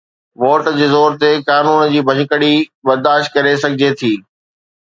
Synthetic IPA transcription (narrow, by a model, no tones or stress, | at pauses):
ʋoːʈd͡ʑeːzoːɾt̪ekaːnuːnd͡ʑiːbʱɐ̃ɲʊkəɽibɐɾd̪aːʃʈ̚kɐɾesɐɡʱɪd͡ʑet̪ʰiː